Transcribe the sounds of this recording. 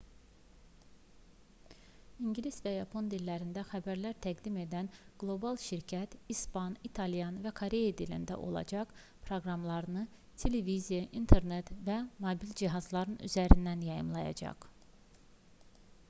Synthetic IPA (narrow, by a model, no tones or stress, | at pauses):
iɲɟlisvæjɑpʰo̞nd̪ilːæɾind̪æxæbæɾlæɾt̪ʰæɡd̪ime̞d̪ænɡ̥lˠo̞bɑlˠʃiɾcʰæt̪ispɑnit̪ʰɑlijɑnvækʰoɾe̞jad̪ilḭnd̪æ̰ʔo̞̰lˠɑ̰d͡ʒɑχ | pʰɾo̞ɡɾɑmlˠɑɾɯnɯ | t̪ʰe̞levizijɑʔint̪ʰeɾnet̪væmobild͡ʒiɦɑzlˠɑɾɯny̰zæɾind̪ænjɑjɯ̰mlˠɑjɑ̰d͡ʒɑ̰χ